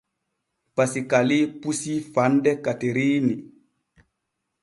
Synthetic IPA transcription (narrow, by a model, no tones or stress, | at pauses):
pasikalipusifandɛkateɾiːni